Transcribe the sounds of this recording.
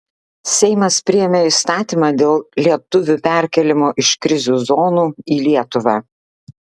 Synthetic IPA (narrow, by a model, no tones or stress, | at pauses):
sʲɛɪmɐspʲɾʲɪjɛmʲeist̪ɑːt̪ʲimɑːd̪ʲeːlˠlʲiɛt̪ʊʋʲupʲæˑɾʲkʲɛlʲɪmoːʔɪʃkɾʲɪzʲuːzoːnuːiːlʲiɛt̪ʊʋɑː